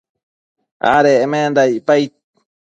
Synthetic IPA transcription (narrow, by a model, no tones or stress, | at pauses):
ʔa̰ɾeːmend̪aipajt̪̚